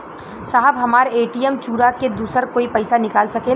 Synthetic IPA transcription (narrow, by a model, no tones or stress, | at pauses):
saɦəbɦɐmaːɾeːʈiɛmt͡ʃuːɾaked̪uːsəɾkoːipɐɪsanɪkaːlsɐkeː